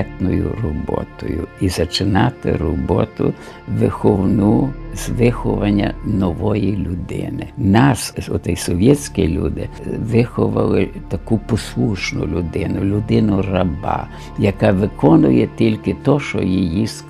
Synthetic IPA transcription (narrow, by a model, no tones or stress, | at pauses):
t̪nʊjʊ̰rɔbɔ̰t̪ɔjʊizɐt͡ʃɪnɑt̪ɪ̰rɔbɔt̪ʊ̰ | ʋɪxɔwnuzʋɪxɔʋɐnʲːɐ̰nɔʋɔjilʲʊd̪ɪ̰nɪnɑsɔt̪ɛjsɔʋʲjɛt͡sʲkilʲṵd̪ɪ | ʋɪxɔʋɐlˠɪt̪ɐkupɔslˠuʃnʊ̰lʲʊd̪ɪnʊlʲʊd̪ɪnʊrɐbɑ̰ | jɐkɑʋɪkɔnʊjɛt̪ʲilʲkɪt̪ɔʃɔ̰jijis